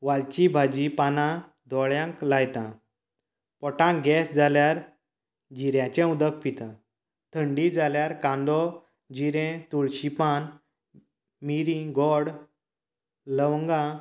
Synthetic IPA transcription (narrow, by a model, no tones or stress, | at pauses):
ʋalt͡ɕibʱad͡ʑipanã | d̪ʱɔɭjãŋklajt̪ã̰ | pɔʈãɡɛsd͡zaljaɾ | d͡ʑiɾjãt͡ɕẽud̪ək̚pit̪ã | t̪ʰəɳɖid͡zaljaɾkãnd̪ɔ | d͡ʑiɾɛ̃t̪uɭɕipan | miɾĩɡɔɽ | ləwŋɡã